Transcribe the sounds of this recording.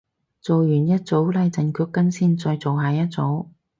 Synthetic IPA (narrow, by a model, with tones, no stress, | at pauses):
t͡so˨wjyː˨˩njɐ˥t̚t͡so˨˥wlɐ˨˧jt͡sɐ˨nkʰyː˧kːɐ˥nsiː˥˩nt͡sɔː˧jt͡so˨wɦaː˨jɐ˥t̚t͡so˨˥w